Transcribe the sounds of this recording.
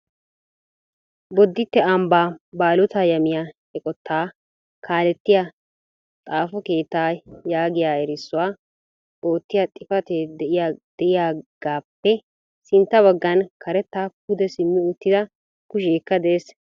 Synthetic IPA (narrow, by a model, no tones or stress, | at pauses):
bɔd̪ːɪt̪ːɛɐmbaːbaːlʊt̪aːjɐmɪja | ɛkʼɔt̪ʰːaː | kʰaːlɛt̪ːɪja | t̪ʼaːfɔke̞ːt̪ːaːjaːɡɪjaːɛɾɪsːʊwaː | bo̞ːt̪ːɪjat̪ʼɪfɐt̪eːd̪ɛʔɪjad̪̥ɛʔɪjaːɡ̥aːpːɛ | sɪnt̪ːɐbɐɡːɐnkʰɐɾɛt̪ːaːkʊd̪ɛsɪmːɪʊt̪ːɪd̪ɐ | kʊʃ̬eːkːɐd̪eːs